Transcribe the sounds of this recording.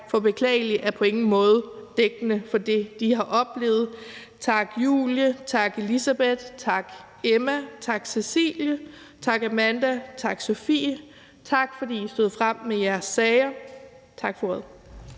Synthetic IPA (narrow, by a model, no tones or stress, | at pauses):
fɒ̽b̥e̝kʰlɛ̰ːɪliʔæɐpʰɒ̽e̝ŋn̩mɔ̽ːð̞̩ˠd̥eɡ̥ənəfɒ̽d̥e̝d̥ihɑ̈ʔɒ̽b̥le̝̰ːð̩ˠ | t͡sʰɑ̈ɡ̥jṵːljət͡sʰɑ̈ɡ̥e̝lisæb̥ed̥t͡sʰɑ̈ɡ̥ | emæt͡sʰɑ̈ɡ̥sesḭːljə | t͡sʰɑ̈ɡ̥æmænd̥æt͡sʰɑ̈ɡ̥so̝fḭː | t͡sʰɑ̈ɡ̥fɒ̽d̥ḭːisd̥oð̞̰ˠfʁam̰ːejæɐsːɛːɪɐ | t͡sʰɑ̈ɡ̥fɒæðˠ